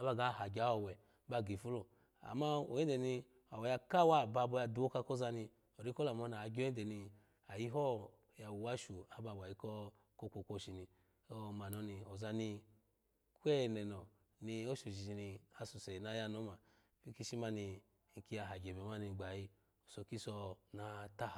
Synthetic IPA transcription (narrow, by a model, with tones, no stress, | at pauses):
a˨˦ba˧ɡa˨˦˨ha˨ɡʲa˨˦o˦˨wɛ˨ | ba˧ɡi˨fu˦lo˨ | a̰˨ma˦o˨ji˦de˨ni˧ | a˨wɛ˨ja˧ka˦wa˦˨ba˧bɔ˧ja˧du˨˦o˦ka˧ko˦za˧ni˧ | o˨ɾi˦ko˦la˨mo˨˦na˨ɡʲo˦i˦de˨ni˧ | a˨ji˦ɦɔ˦˨ | ja˨wu˨wa˦ʃu˨a˨ba˧˨ba˨ji˦kɔ˦ | ko˦kʷo˧kʷo˧ʃi˨ni˧ | o˦˨ma˨nɔ˨˦ni˧o˨za˧ni˧ | kʷe˦˨nɛ˨nɔ˨ | ni˧o˦ʃu˨ʃi˨i˧ni˧a˧su˨sɛ˨na˧˦ja˦nɔ˨˦ma˨ | fi˦ki˦ʃi˦ma˦ni˧˨ | ŋ̩˨ki˧ja˨ɦa˨ɡe˨bɛ˨ma˦ni˧˨ɡ͡ba˨ji˧ | o˨so˧ki˦sɔ˧na˧ta˦h